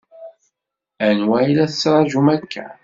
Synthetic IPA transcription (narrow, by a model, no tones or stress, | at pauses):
ænwæjlæθə̥t͡sːɾˤɑʒumækʰːæ̰